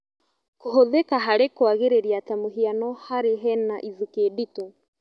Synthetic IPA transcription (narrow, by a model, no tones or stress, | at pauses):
koɦoðekaɦaɾekwaɣeɾeɾjatamoɦianɔhaɾeɦɛnaʔizikedito